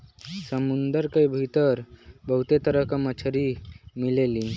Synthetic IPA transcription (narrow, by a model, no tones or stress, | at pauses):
səmund̪əɾkəjbʱit̪əɾbəɦut̪et̪əɾəkəmət͡ʃʰəɾimilelin